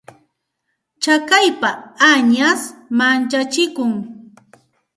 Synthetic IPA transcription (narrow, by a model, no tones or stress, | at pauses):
t͡ʃakajpaaɲasmant͡ʃat͡ʃɪkʊŋ